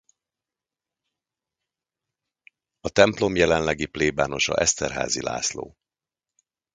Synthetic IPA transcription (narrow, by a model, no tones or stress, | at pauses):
ɒt̪ɛmplo̞mjɛlɛnlɛɡipleːbaːno̞ʃɒ̰ʔɛst̪ɛrɦa̰ːzila̰ːslo̰ː